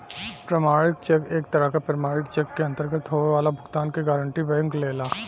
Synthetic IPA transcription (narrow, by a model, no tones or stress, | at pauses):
pɾəmaːɽɭɪk̚t͡ʃɛkeːkt̪ɐɾəɦkapɾɐmaːɽɪkt͡ʃɛkːeɐ̃nt̪əɾɡət̪ɦoːʋeʋaːlabʱʊɡt̪aːnkeɡaːɾəɳʈibəjʊ̃ŋkleːlaː